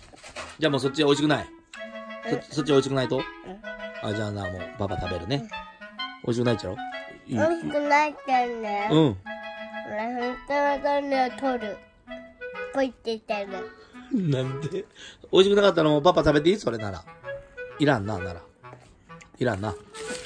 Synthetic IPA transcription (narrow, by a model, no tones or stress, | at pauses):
d͡ʑaːmoːso̞t͡ɕːiao̞iɕ̬ikɯnai | sosot͡ɕːiaoiɕ̬i̥kɯ̟nait̪o | ad͡ʑaːnamo̰ːpapat̪abe̞ɾɯ̟ne̞ | ʔo̞̰iɕikɯnait͡ɕaɾoioiɕikɯnaikaneɯ̃ | ɾahõnt̪oːnot̪oɾmeot̪ʰoɾɯ | koit̪ːeit̪aɾɯnãnd̪eo̞iɕikɯ̟nakat̪ːaɾamoːp̬apːat̪abe̞t̪̬eiːsɨ̥oɾe̞naɾa̰ | iɾãnːanaɾa̰ | iɾãnːa